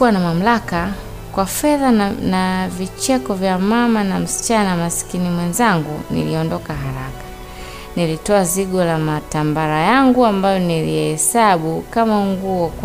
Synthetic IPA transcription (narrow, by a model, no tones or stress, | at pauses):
uwanamam̩laka | kwafɛðanavit͡ʃɛkɔvjamamanam̩si̥t͡ʃanamasi̥kinimwɛnzaŋɡunḭliɔndɔkaɦaɾakḁ | nilitɔaziɡɔlamatambaɾajaŋɡuambajɔniliɛhɛsaɓukamaŋɡuɔk